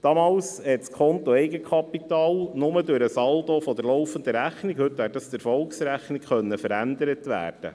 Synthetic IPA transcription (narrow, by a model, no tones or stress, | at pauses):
d̥ɑmɑːlshɛtskʰɔnt̪oɛɪɡəkʰɑpːitɑːlnʊmədøɾəsɑldofɔd̪əɾlɔʊfənd̪əɾæχnɪkhɵt̪æːt̚dɑsd̪ɪɾfɔlksɾæχnɪkχœnːəfəɾænd̪əɾət̪ʋæ̰ːrd̥ə̰